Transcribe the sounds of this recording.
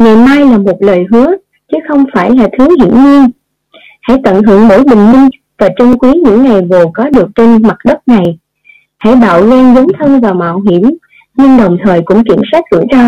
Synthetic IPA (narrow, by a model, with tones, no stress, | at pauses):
ŋa˨˩jmaː˧jlaː˨˩mo˨˩t̚ləː˨˩jɦɨ˨˦ə | t͡ɕɨ˨˦xə˧wŋ͡mfaː˧˩jlaː˨˩t̪ʰɨ˨˦ɦḭ˧˩ənɲi˧ən | ha̰˧˥˨jt̪ə̰˧˨nɦɨ̰˧˩əŋɓo̰˧˩jɓï˨˩ŋ̟mï˧ŋ̟ | vaː˨˩t͡ɕə˧ŋ͡mkwi˨˦ɲɨ̰˧˥ŋːa˨˩jvo˨˩kɔ˨˦ɗɨ˨˩ək̚t͡ɕe˧nma˨˩t̚ɗə˦˥t̚na˨˩j | ha̰˧˥jɓa̰ː˧˨wzɛː˧nzə˨˦wŋ͡mt̪ʰə˧nvaː˨˩ma̰ː˧˨wɦi˧˩əm | ɲɨ˧ŋɗə˨˩wŋ͡mt̪ʰəː˨˩jkʊ̰˧˥ŋ͡mkḭ˧˩əmswaː˦˥k̟̚zɨ̰˧˩əzaː˧